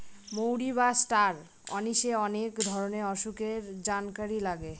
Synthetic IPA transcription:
mowɽiβasʈaɾ | ɔ̰niʃeɔnekd̪ʱɔɾoneɔʃukeɾd͡ʑankaɾilaɡe

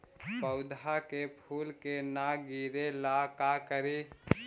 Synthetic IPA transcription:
pəʊd̪ʱakepʰuːlkenaɡiɾelakakəɾi

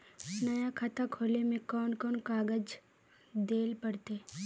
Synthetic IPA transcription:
nɐjakʰat̪akʰoːlemẽkɔːnkɔːnkaːɡəd͡ʒ | d̪eːlpəɽt̪eː

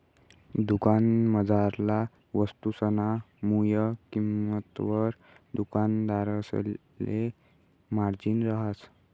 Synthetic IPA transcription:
d̪ukanməd͡zaɾla | ʋəst̪usəna | mujəkimət̪ʋəɾ | d̪ukand̪aɾəs | le | maɾd͡ʑinɾəɦas

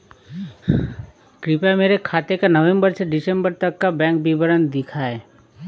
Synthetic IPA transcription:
kɾɪpameːɾekʰaːt̪ekanɐʋẽmbəɾseɖɪsẽmbəɾt̪ɐkːabɛ̃ːŋk̚bibəɾənd̪ɪkʰaːeː

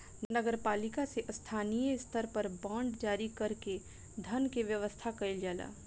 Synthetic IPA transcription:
nɐɡəɾpaːlɪkaseʔst̪ʰaːnijəɪst̪ʰəɾpɐɾbãːɳɖd͡ʒaːɾikɐɾke | d̪ʱɐnkeʋjəʋəst̪ʰakɐɪld͡ʒaːla̰ː

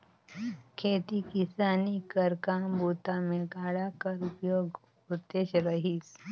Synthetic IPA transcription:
kʰeːt̪ikisaːnikəɾkambut̪ameɡaːɽakəɾupjoːɡ | ud̪eʃɾəɦiːs

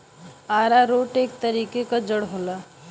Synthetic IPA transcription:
aːɾaɾoːʈeːk̚t̪əɾiːkekad͡ʒəɽɦola

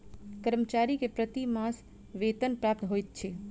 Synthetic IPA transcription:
kəɾmət͡ʃaɾikepɾət̪imas | ʋeːt̪ənpɾaːp̚t̪ɦojt̪̚t͡ʃʰe

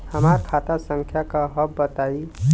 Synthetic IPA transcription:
həmaːɾkʰaːt̪asə̃ŋkʰjakaɦəbːət̪aːi

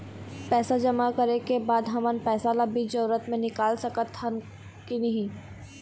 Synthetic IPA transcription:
pɛːsad͡ʒɐmakɐɾekebaːd̪ɦɐmənpɛːsalɐbid͡ʒɐɾuɾət̪mẽnɪkaːlsɐkət̪hɐm | kinɐɦĩː

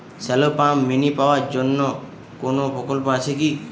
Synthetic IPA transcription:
sɛlopãmːinipaʋad͡ʒɔnːɔ | konopɔkolpat͡ʃʰeki

